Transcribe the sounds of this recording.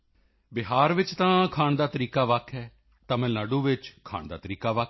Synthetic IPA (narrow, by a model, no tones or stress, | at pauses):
bɪɦaːɾʋɪt͡ʃt̪ãːkʰaːɳd̪aːt̪əɾiːkaːʋakʰɦɛː | t̪ãːmɛ̃ːlaːɖũːʋɪt͡ʃkʰa̰ːɳd̪a̰ːt̪əɾiːkaːʋak